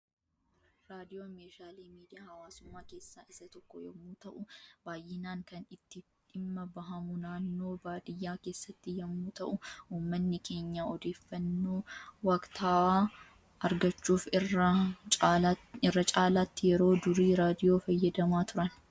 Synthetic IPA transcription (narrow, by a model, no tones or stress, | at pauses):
ɾaːd̪ɪjoːmeːʃaːliːmiːd̪ɪjaːhɐwaːsʊmːaːke̞ːsːaːʔɪsːɐt̪ɔkːɔjɐmːuːt̪ɐʔʊbaːjɪnaːŋkɐnɪt̪ːɪ | ᶑɪmːɐbɐɦɐmʊnaːnːo̞ːbaːd̪ɪjːaːke̞ːsːɐt̪ːɪjɐmːuːt̪ɐʔʊuːmːɐnːɪkʰe̞ːɲːaːɔd̪e̞ːfːɐnːo̞ːwɐkt̪ʰaː | ɐɾɡɐt͡ʃːuːfɪrɐaɪrːɐt͡ʃʼaːlaːt̪ːɪjɛɾo̞ːd̪ʊɾiːɾaːd̪ɪjo̞ːfɐjːɐd̪ɐmaːt̪ʊɾɐn